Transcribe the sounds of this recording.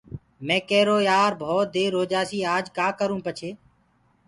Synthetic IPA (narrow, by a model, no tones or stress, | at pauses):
mẽːkɛːɾoːjaːɾbʱoːt̪̚d̪eːɾoːd͡ʒaːsiːaːd͡ʒkaːkəɾũːpət͡ʃʰeː